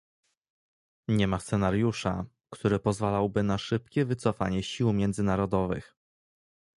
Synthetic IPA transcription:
ɲɛmast̪sɛnaɾjuʂa̰ | kt̪uɾɘpɔzvalawbɘnaʂɘp̚kʲɛvɘt̪sɔfaɲɛɕiwmʲjɛnd̪zɘnaɾɔd̪ɔvɘ̰x

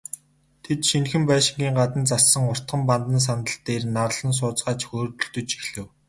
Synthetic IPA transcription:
t̪ʰet̪ʃinxɘ̆mpæːʃɪ̆ŋɡʲiːŋɢat̪ə̆nt͡sasːə̆ŋʊr̥t̪χə̆mpant̪ə̆ns̬anə̆ɬt̪eːrnarɮə̆ns̬ʊːt͡sɢaːt͡ɕxoːt̪ɵ̆ɮt̪ɵ̆t͡ɕixɮɘ̆w

